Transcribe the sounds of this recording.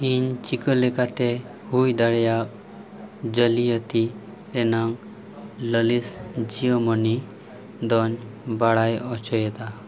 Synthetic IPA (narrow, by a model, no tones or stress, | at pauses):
int͡ʃikəlekat̪e | hujd̪aɽjak̚ | d͡ʒəlijət̪i | ɾenaŋ | ləlisd͡ʒiəmɔni | d̪ɔn | baɽajɔt͡ʃʰɔjet̪a